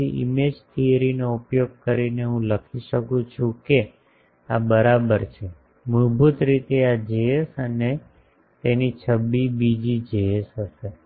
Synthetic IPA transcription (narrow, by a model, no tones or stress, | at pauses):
iʔḭmed͡ʒt̪ʰiəɾinoupjoɡ̚kəɾineɦũləkʰiʃəkũt͡ʃʰũke | abəɾabəɾt͡ʃʰe | muɦbut̪ɾit̪ead͡ʒeesəne | t̪enit͡ʃʰəbːibid͡ʒid͡ʒeesɦəʃe